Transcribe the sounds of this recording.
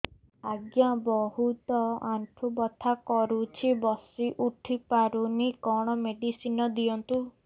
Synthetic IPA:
aɡjabɔɦut̪ɔaɳʈʰubɔt̪ʰakɔɾut͡ʃʰibɔsiʔuʈʰipaɾunikɔɽ̃ɔmeɖisinɔd̪iɔnt̪u

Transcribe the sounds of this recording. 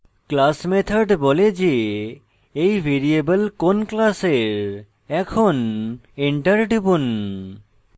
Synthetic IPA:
klasmet̪ʰaɾɖbɔled͡ʑe | ejbʱeɾiebəlkonklaseɾ | ɛkʰoneɳʈaɾɖibun

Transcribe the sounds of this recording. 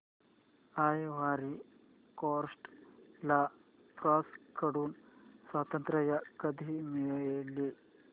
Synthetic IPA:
ajʋaɾi | koɾsʈla | pɾɔskəɽuːnswat̪ənt̪ɾəjakəd̪ʱimiɭli

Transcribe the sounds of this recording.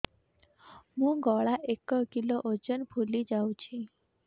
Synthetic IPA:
mũɡɔɭaʔekəkiloʔod͡ʒənpʰulid͡ʒawũt͡ʃʰĩ

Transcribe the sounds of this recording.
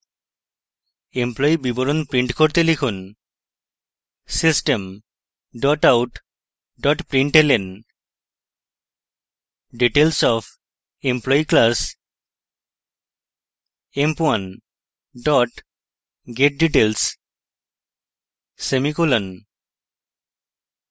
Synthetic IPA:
emplɔibibɔɾonpɾiɳʈkoɾt̪elikʰun | sisʈem | ɖɔʈawʈ | ɖɔʈpɾiɳʈelen | ɖiʈelsɔpʰ | emplɔiklas | empuwan | ɖɔʈ | ɡeʈ̚ɖiʈels | semikulɔn

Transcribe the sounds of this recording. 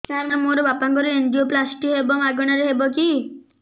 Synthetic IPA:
kaɾnamoɾobapãŋkɔɾueɳɖioplasʈiɦebɔmaɡɔɽ̃aɾeɦebɔki

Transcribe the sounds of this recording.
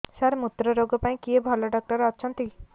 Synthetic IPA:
saɾmut̪ːɾɔɾoɡɔpaĩkiebʱɔlɔɖɔk̚ʈɔɾɔːt͡ʃʰɔnt̪i

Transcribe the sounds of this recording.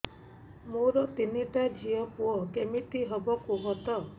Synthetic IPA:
moɾɔt̪iniʈad͡ʒʱijɔpuɔkemit̪iɦɔbɔkuɦɔt̪ɔ

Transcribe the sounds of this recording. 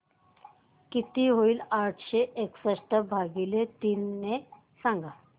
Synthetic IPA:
kit̪iɦoiːlaʈʰɕeʔeksəʂʈəbʱaɡilet̪iːnːe | sãŋɡa

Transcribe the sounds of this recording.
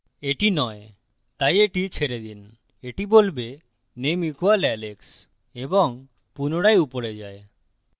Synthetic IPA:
eʈinɔe | t̪ajeʈit͡ʃʰeɾed̪in | eʈibolbe | nemikʰualɛleks | ebɔŋ | punoɽajupoɽed͡ʒae

